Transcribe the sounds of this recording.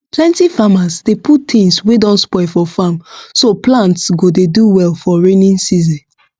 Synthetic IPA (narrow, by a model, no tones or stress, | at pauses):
pʰlɛ̃ntifamasdepʰuttʰĩŋswedɔ̃nspɔɪfɔfamsoplãntsɡodeduwɛlfɔɹenĩnsizɛ̃n